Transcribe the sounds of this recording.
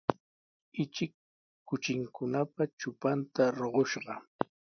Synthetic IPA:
ɪt͡ʃɪkː | ʊt͡ʃɪŋkʊnapat͡ʃʊpant̪aɾoɢoʃɢɑ

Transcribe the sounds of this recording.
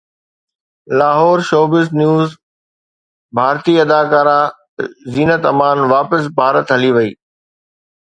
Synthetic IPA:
laːɦɔːɾʃoːbɪznjuːz | bʱaːɾt̪iɐd̪aːkaːɾã | ziːnət̪ɐmaːnʋaːpəs̬bʱaːɾət̪ɦɐliʋɐḭː

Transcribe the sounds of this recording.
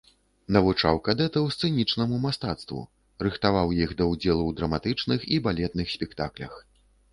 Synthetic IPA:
nɐvut͡ʂawkad̪ɛt̪ɐwst̪sɨnʲit͡ʂnɐmumast̪at̪st̪vṵ | rɨxt̪avawjixd̪ɐwd͡zʲɛlˠuwd̪ɾɐmat̪ɨt͡ʂnɨxibalʲɛt̪̚nɨxsʲpʲɛkt̪a̰klʲɐ̰x

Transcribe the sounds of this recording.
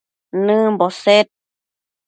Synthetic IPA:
nɨbɔset̪̚

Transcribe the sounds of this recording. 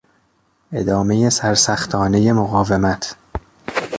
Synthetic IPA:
ʔe̞d̪ɒːme̞je̞sæɾsæxt̪ʰɒːne̞je̞moɣɒːvemæt̪ʰ

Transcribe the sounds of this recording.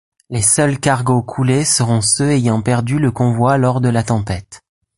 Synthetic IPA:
lesœlkaʁɡokʰulesəʁɔ̃søejɑ̃pɛʁd̪yləkɔ̃vwalɔʁd̪əlat̪ɑ̃pɛt̪

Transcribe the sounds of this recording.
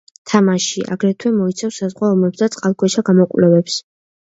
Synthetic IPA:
t̪ʰamaʃiʔa̰ɡɾɛt̪ʰwɛmɔit̪sʰafsazʁwaɔmɛpsd̪at̪sʼqʼalˠkʰʼwɛʃaɡamɔkʼwlɛvɛps

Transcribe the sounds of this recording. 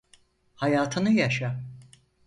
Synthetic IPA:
hajaːt̪ʰɯnɯjaʃa

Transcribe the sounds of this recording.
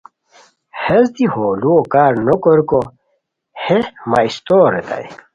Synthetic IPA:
hezd̪ihoːluokaːɾnokoɾko | hemaist̪oːɾet̪a̰j

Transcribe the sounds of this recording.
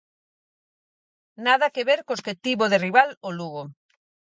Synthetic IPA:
naðakeβeɾkosket̪iβoðeriβaloluɣo

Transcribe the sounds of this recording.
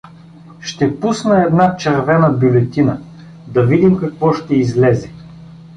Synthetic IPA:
ʃt̪ɛpusnɐɛd̪nat͡ʃɛɾvɛnɐbʲjulɛt̪inə | d̪ɐvid̪imkɐkvɔʃt̪ɛizlɛzɛ

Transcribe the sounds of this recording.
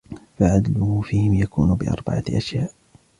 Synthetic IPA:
faʕad̪lʊhʊfiːhɪmjakṵːnʊbɪʔɑ̰ɾˤba̰ʕaʔaʃjaːʔ

